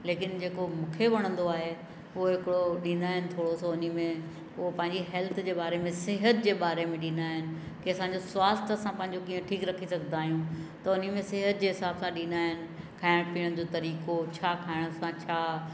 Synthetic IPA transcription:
leːkɪnd͡ʑeːkomʊ̃kʰeʋɐɽ̃ə̃nd̪oaːɦe | ʊɦoɦɪkɪɽoɗĩːnd̪aːɦɪ̃nɪ̆t̪ʰoːɽosoʊnimẽ | ʊɦopɐ̃ɦɪ̃ɲd͡ʑiɦɛːlt̪ʰd͡ʑeːbaːɾemẽsɪɦət̪d͡ʑeːɓaːɾemẽɗĩːnd̪aːɦɪnɪ̆ | kiɐsãɲd͡ʑoswaːst̪ɐsãpɐ̃ɦɪ̃ɲ̆d͡ʑokiːə̃ʈʰiːkɾɐkʰisɐɡʱnd̪aːɦijũt̪ɐʊnimẽsɪɦət̪̚d͡ʑeːɦɪsaːbsãɗĩːnd̪aːɦɪnɪ̆ | kʰaːɪɽ̃piəɽ̃d͡ʑoːt̪ɐɾiːkot͡ɕʰaːkʰaːɪɽ̃sãt͡ɕʰaː

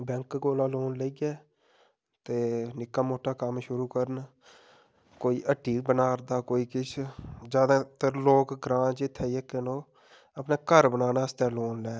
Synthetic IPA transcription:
bɛ̃ŋkɡoːlaːloːnleiɡɛː | t̪eːnɪkːaːmoːʈaːkəmʃʊɾuːkəɾən | koːiːʔəʈːiːbənaːɾd̪aːkoːiːkɪt͡ʃʰd͡ʒjaːd̪aːt̪əɾloːkɡɾãːt͡ʃɪt̪ʰːɛːiəkːenoː | əpneːkəɾbənaːnaːəst̪ɛ̃ːloːnlɛː

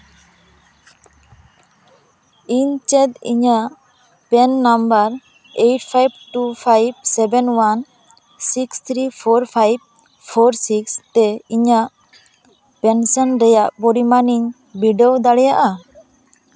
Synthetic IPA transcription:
iɲt͡ʃɛd̪ḭɲaʔ | pɛnːambəɾ | ejʈpʰajb̚ʈupʰajb̚sɛbɛnwan | sikst̪ʰɾipʰɔɾpʰajb̚ | pʰɔɾsikst̪ɛiɲaʔ | pɛnsɔnɾɛjaʔbɔɾimaniɲ | biɖɔwd̪aɽɛjaʔa

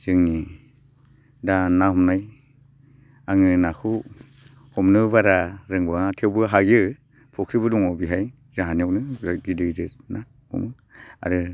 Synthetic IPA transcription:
z̥ɯŋni | danahɔmnaj | aŋɯnakʰu | hɔmnɯβaɾaɾɯŋbatʰewbɯɦaɡɯ | pʰɔkʰɾibɯduŋawbiɦaj | zaɦaniawnɯɡidɯdɯna | ɔ̰mɯ | a̰ɾɯ

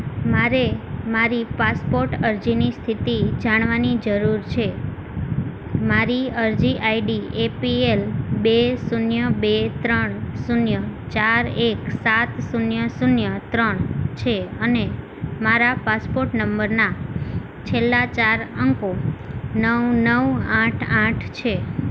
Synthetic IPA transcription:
maɾemaɾipaspoɾʈəɾd͡ʒinist̪ʰit̪id͡ʒaɽ̃ʋanid͡ʒəɾuɾt͡ʃʰe | maɾiəɾd͡ʒiʔaiɖiepielbesunjəbet̪ɾəɳsunjət͡ʃaɾeksat̪sunjəsunjət̪ɾəɳt͡ʃʰeəne | maɾapaspoɾʈnəmbəɾna | t͡ʃʰelːat͡ʃaɾəŋkonəwnəwãʈʰãʈʰt͡ʃʰe

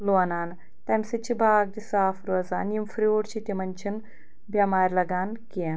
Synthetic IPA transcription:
loɐnaːn | t̪ɐmsɨt͡ʃʰibʱaːɡ̚d̪isaːfɾuɐzaːnjimfɾioːɽt͡ʃʰit̪ʲimɐnʲt͡ʃʰin | bʲjɐmaːɾʲlɐɡaːnkiɐn

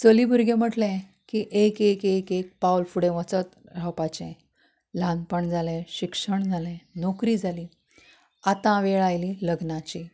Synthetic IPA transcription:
t͡səlibʱuɾɡẽm̤əʈlɛ̃ | kiʔekekekek̚pawlfuɽẽʋət͡sət̪ | ɾ̤awpat͡ɕḛ̃ | lãnpəɳd͡zʱalɛ̃ɕikʂəɳd͡zʱalɛ̃nokɾiːd͡zʱaliː | at̪ãʋeɭajliləɡnat͡ɕi

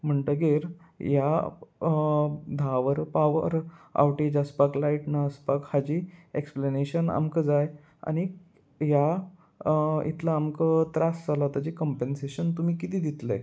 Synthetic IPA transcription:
m̤əɳʈəɡeɾ | ja | d̪ʱaʋəɾpaʋə̰ɾa̰ʋʈed͡ʑəspaklaiʈnaəspakhad͡ʑiːekspleneɕəna̰mkəd͡zaj | a̰ñi | ja | ḭt̪laːmkət̪ɾasd͡zalat̪ad͡ʑikɔmpenseɕənt̪umiːkit̪iːd̪it̪ləj

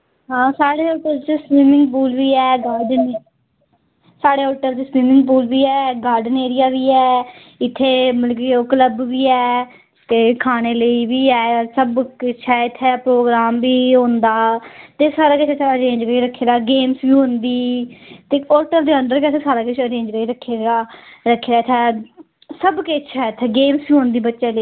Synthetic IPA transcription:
ɦãːsaːɽeːoːʈəlt͡ʃspiːmɪ̃ŋɡpuːlʋiːɛːɡaːɾɖən | saːɽeːoːʈəlt͡ʃəspiːmɪ̃ŋɡpuːlʋiːɛːɡaːɾɖəneːɾɪjaːʋiːɛː | ɪt̪ʰːeːməlk̬eoːkələbʋiːɛː | t̪eːkʰaːñeːləiːʋiːɛːɔɾsəbkːʃʰɛːɪt̪ʰːeːpɾoːɡɾaːmbiːɦõːnd̪aːt̪eːsaːɾaːkɪt͡ʃʰt͡ʃʰəɾẽːɲd͡ʒkəɾiːɾəkʰːeːdaːɡeːmsjiːɦʊ̃nd̪iːt̪eːoːʈəld̪eːəɳɖəɾkɛt̪ʰesaːɾaːkɪt͡ʃʰəɾẽːɲd͡ʒkəiːɾəkʰːeːɡaːɾəkʰːeːd̪aːɪt̪ʰːɛː | səbkeːt͡ʃʰɛːɪt̪ʰːeːɡeːmsiuːɦõːnd̪iːbətːʃeːlə

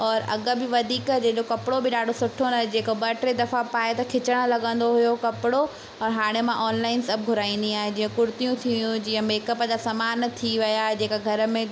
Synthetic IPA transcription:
ɔːɾɐ̰ɠə̆bɪʋɐd̪ʱiːkəd͡ʑeːʄokɐpɪɽobʱɪɗaːɖʱosʊʈʰonad͡ʑeːkoɓɐʈɾed̪ɐfapaːet̪ɐkʰɪt͡ɕəɽ̃əlɐɠə̃nd̪oɦʊjokɐpɪɽo | ɔːɾɦaːɽ̃emãʔɔːnlaːɪnsɐb̚ɡʱʊɾaːĩn̆d̪iaːɦed͡ʑĩːə̃kʊɾʊt̪ijũt̪ʰiʋɪjũd͡ʑiːə̃meːkəpəd͡ʑasɐmaːnt̪ʰiʋɐjaːɦed͡ʑeːkaɡʱɐɾə̆mẽ

